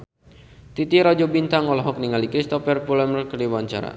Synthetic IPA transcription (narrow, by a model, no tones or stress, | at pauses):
t̪it̪iɾɔd͡ʒɔbint̪aŋɔlɔɦɔk̚niŋalikɾist̪ɔfɛrpulɛmərkərdiwaɲt͡ʃa̰ɾa̰